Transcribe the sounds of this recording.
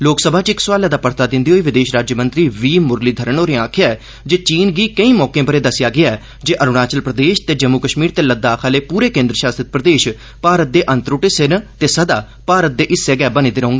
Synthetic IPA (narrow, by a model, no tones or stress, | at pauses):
loːksəbʱaːt͡ʃɪksʊʋaːlaːd̪aːpəɾt̪aːd̪ɪ̃nd̪iːɦoːiːʋɪd̪eːʃɾaːd͡ʒjmə̃nt̪ɾiːʋiːmʊɾliːd̪ʱəɾəɳoːɾẽãːkʰɪjaːɛː | d͡ʒeːt͡ʃiːnɡiːkəĩːmɔːkẽːpəɾeːd̪əsɪjaːɡɪaːɛː | d͡ʒeːʔəɾʊɽaːt͡ʃəlpɾəd̪eːʃt̪eːd͡ʒəmːukəʃmiːɾt̪eːləd̪aːkʰaːleːpuːɾeːkẽːnd̪ɾəʃaːst̪ɾɪt̪̚pɾəd̪eːʃ | paːɾət̪̚d̪eːʔənt̪ɾuːʈesɪnt̪eːsəd̪aː | paːɾət̪̚d̪eːʔɪsːeːɡɛːbənĩːd̪eɾəɦõːŋɡaː